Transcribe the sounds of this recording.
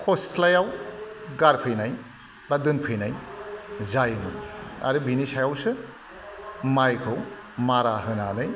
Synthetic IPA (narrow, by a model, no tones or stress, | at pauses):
kʰostʰlajawɡaɾpʰɯjnaj | badɯnpʰɯjnaj | zajnɯ̰ja̰ɾɯbinisajawsɯ | majkʰɯw | maɾaɦɯnanɯj